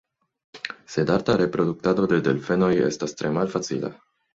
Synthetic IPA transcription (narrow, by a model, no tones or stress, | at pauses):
se̞daɾtaɾe̞pɾo̞duk̚tado̞de̞delfe̞no̞jḛstastɾe̞malfat͡sḭla̰